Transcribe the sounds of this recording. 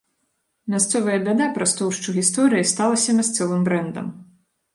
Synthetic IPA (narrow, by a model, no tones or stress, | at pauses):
mʲast̪sɔvɐjɐbʲɛd̪ɛpɾɐst̪ɔwʂt͡ʂɔɣʲist̪ɔɾɨjist̪alˠɐsʲɐmʲast̪sɔvɨmbɾɛnd̪ɐ̰m